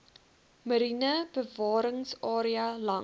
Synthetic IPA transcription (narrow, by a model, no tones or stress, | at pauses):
məɾinəb̥əvɑːɾəŋsɑːɾiɐlɐ